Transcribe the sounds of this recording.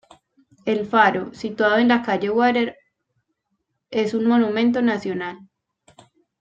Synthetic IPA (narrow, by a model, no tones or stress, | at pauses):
e̞lfaɾo̞sit̪waðoe̞nlakaʝe̞ɣwaɾeɾ | e̞sunmo̞numẽ̞nt̪̬o̞nasjo̞nal